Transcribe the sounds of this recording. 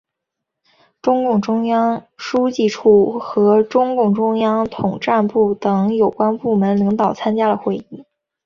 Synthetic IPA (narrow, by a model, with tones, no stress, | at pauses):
ʈ͡ʂʊ˥ŋkʊ˥˩ŋʈ͡ʂʊ˥ŋjɑ˥ŋʂu˥t͡ɕi˥˧ʈ͡ʂʰu˥˩xɤ˧˥ʈ͡ʂʊ˥ŋkʊ˥˩ŋʈ͡ʂʊ˥ŋjɑ˥ŋt̪ʰʊ˨˩ŋʈ͡ʂa˥˧npu˥˩t̪ɤ˧˩ŋjo˨˩ʊkwa˥npu˥˩mə˧˥nli˧˥ŋt̪ɑ˨˩ʊt͡sʰa˥nt͡ɕja˥d̪ə˨xwe˥˧ɪi˥˩